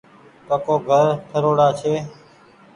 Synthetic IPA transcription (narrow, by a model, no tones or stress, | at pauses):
kəkoːɡʱəɾʈʰəɾoːɽaːt͡ʃʰeː